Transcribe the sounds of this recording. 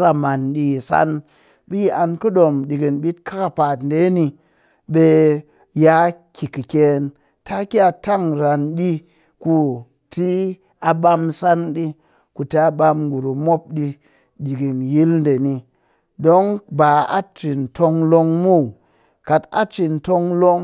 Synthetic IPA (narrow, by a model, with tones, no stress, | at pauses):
ɾa˨ma˨nɗi˧˨sa̰˦n | bi˦ji˦ʔa˧nkɨ˦ɗo˨mɗi˨ɡi˨nɓi˦t̚kʰa˦ka˨pa˨tn̩˦de˨˦ni˧ | ɓe˧ | ja˦kʲʰi˨kɨ˨kʲe˨n | tʰa˦ki˦a˧˨ta˦ŋɾa˨nɗi˦ | ku˦ | ti˦ | a˧ɓa˧msa˦nɗi˦ | ku˨te˨a˧˦ɓa˧mɡu˨ɾu˨mo˦p̚ɗi˧ | di˨ɡi˨nji˦ln̩˦de˨ni˧ | do˦ŋba˨a̰˦t͡ʃi˨n˨to˧ŋlo˧ŋmu˦˨ | ka˨ta̰˦t͡ʃi˨n˨to˧ŋlo˦ŋ